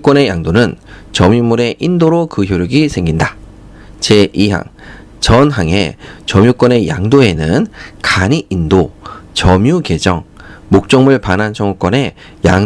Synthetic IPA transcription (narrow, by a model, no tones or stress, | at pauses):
k͈wʌne̞jaŋdonɯnt͡ɕʌmimuɾe̞ʔindoɾokɯçjoɾjuɡisʰe̞ŋɡinda | t͡ɕe̞ʔiɦa̰ŋ | t͡ɕʌnɦaŋe̞̰t͡ɕʌmjuk͈wʌne̞jaŋdoe̞nɯnkaɲiʔːndot͡ɕʌmjuke̞d͡ʑʌŋmok̚t͡ɕ͈ʌŋmɯɭpanɦant͡ɕʰʌŋuk͈wʌne̞ | ja̰ŋ